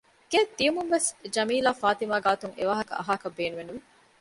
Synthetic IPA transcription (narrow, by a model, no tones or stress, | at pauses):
ɡ̥eːd̪iumunʋesd͡ʒɐmiːlaːfaːt̪imaːɡaːt̪uŋḛʋaːɦɐkɐ̰ʔɐ̰ɦaːkɐbːeːnuʋenuʋi